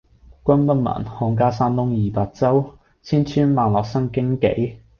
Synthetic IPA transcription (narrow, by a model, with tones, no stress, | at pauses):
kʷɐ˥npɐ˥nmɐ̰ː˨˩nhɔː˧ŋk̬aː˥saː˥nt̪ʊ˥ŋjiː˨paː˧k̚t͡sɐ˥w | t͡sʰiː˥nt͡ʃʰyː˥nmaː˨nlɔː˨k̚sɐ˥ŋkɪ˥ŋkḛ˨˥j